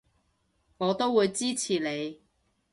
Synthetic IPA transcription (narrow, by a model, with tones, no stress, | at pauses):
ŋɔː˨˧t̪o˥wuː˨˧jt͡siː˥t͡sʰiː˨˩le˨˧j